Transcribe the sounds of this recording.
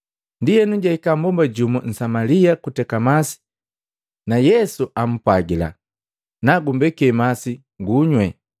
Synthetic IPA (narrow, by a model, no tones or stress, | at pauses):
ndijɛnuɟaikambɔmbaɟumɔn̩samaliakutɛkamasi̥ | najɛsuʔam̩pwaɡila̰ | naɡumbɛkɛmasi | ŋɡuɲwɛ